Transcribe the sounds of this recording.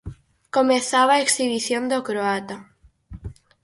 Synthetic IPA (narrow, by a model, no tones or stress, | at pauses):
komẽθaβaeksiβiθjond̪okɾoat̪a